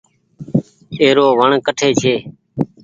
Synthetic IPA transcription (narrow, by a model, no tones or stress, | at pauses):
eːɾoːʋəɳkəʈʰeːt͡ʃʰeː